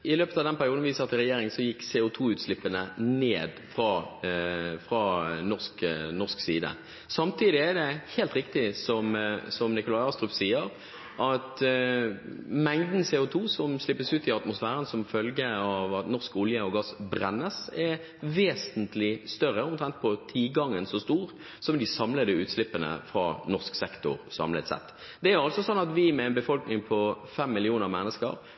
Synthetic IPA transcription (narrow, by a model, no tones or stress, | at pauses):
ɪløːpət̪ɑʋd̪ɛnpʰæɾɪuːd̪n̩ʋiːsəɑt̪ʰɪɾʁɛjeːɾɪŋsɔjɪkːseːʊt̪ʰuːʉːt̪slɪpːənəneːd̪fʁɑ | fʁɑnɔʁsknɔʁsksḭːd̪ə̰ | sɑmt̪ʰiːd̪ɪæd̪ɛheːlt̪ɾɪkt̪ɪsɔmsɔmnɪkʊlɑɪɑːst̪ɾʉpsiːəɾ | ʔɑt̪ | mɛŋd̪n̩seːʊt̪ʰuːsɔmslɪpːəsʉːt̪ɪɑt̪mʊsfæːɾənsɔmfœlɡəɑʋɑt̪nɔʁskʊljəɔɡɑsbɾɛnːəsɛɾ | ʋeːsənt̪lɪst̪œɾəɔmt̪ʰɾɛnt̪̚pʰɔt̪ʰiːɡɑŋːənsɔst̪uːʁ | sɔmd̪ɪsɑmləd̪əʉːt̪slɪpːənə̰fɾɑ̰ːnɔʁsksɛkt̪ʊ̰ɾsɑ̰mlə̰t̪sɛ̰t̪ː | d̪̥ɛæɾɑlsɔsɔnːɑt̪ʋɪmɛɛnbəfɔlknɪŋpʰɔfɛmːɪlɪuːnəʁmɛnːəskə̰ɾ